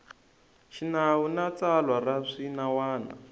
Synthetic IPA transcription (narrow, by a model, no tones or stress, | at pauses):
ʃinawunat͡salwaraʂinawaːna̰